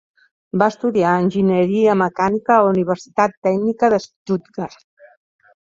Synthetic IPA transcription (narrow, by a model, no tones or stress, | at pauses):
baəst̪uðiaənʲʒinəɾiəməkanikəːuniβ̞əɾsi̥t̪at̪ːɛɡnikəðəst̪ut̪̚ɡaɾ